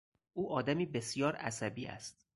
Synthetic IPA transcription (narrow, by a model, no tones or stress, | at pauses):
ʔuːʔɒːd̪æmiːbe̞sjɒːɾæ̰sæbiːʔæ̰st̪̚